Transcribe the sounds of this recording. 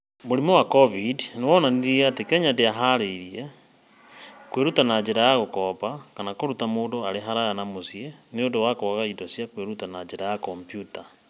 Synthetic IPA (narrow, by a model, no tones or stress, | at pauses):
moɾimowakɔvidnewɔnaniɾiatekɛɲandeaɦaɾeɾie | kweɾutanad͡ʒeɾajaɣokɔpakanakoɾutamoːndoaɾeɦaɾajanamosjeneondowakoɣaidosjakweɾutanad͡ʒeɾajakɔmpjuta